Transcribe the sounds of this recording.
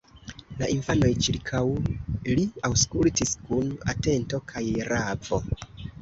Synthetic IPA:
laʔinfano̞jt͡ʃiɾkʰawliawskultiskuna̰te̞nto̞kʰajɾavo̞

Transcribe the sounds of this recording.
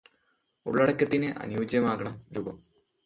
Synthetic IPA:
ṵɭːɐɽɐkʲːɐt̪ːinɨʔɐ̰njuːd͡ʑjɐmaːɣɐɳɐmɾubɐm

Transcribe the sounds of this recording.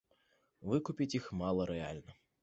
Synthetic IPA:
vɨkupʲit͡sʲixmalˠɐɾɛa̰lʲnɐ

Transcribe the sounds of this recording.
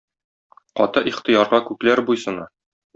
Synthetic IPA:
qɒ̰t̪ɤʔiχt̪ɤ̆jɑɾʁɑkʉklæɾbujsɤ̆nɑ

